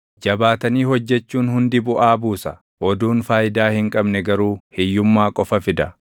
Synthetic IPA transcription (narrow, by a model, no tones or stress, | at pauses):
d͡ʒɐbaːt̪ɐniːhɔd͡ʒːɛt͡ʃːuːnhʊnd̪ɪbʊʔaːbuːsɐ | ʔɔd̪uːnfaːjɪd̪aːhɪŋkʼɐbnɛɡɐɾuːhɪjːʊmːaːkʼɔfɐfɪd̪ɐ